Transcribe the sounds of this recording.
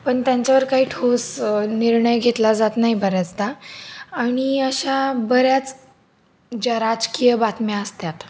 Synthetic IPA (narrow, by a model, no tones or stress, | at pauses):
pəɳt̪jaɲt͡ɕaʋəɾkaɦiːʈʰosniɾɳəjɡʱet̪lad͡zat̪naɦibəɾjat͡sd̪aaɽ̃iəɕabəɾjat͡s | d͡ʑaɾad͡zkijəbat̪mjaəst̪jat̪